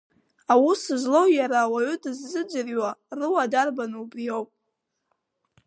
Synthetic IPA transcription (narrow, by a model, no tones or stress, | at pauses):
awʊsɨzlo̞wjaɾaːwaʏdɨzːɨd͡ʒɨrɥarɨwadarbanɨubrijowpʼ